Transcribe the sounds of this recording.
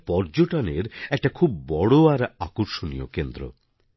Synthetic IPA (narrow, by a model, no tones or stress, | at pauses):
pɔɾd͡ʑoʈaneɾɛk̚ʈakʰubːɔɽoaɾakoɾʃonijokend̪ɾo̰